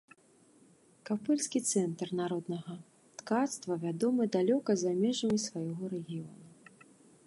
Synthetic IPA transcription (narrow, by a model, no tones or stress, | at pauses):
kapɛlʲskʲit̪sɛnt̪rnaɾɔd̪nɐɣɐ | t̪kat̪st̪vɐvʲad̪ɔmɨd̪alʲɔkɐzamʲɛʐɐmʲisvajɔɣɔɾɛɣʲijɔnu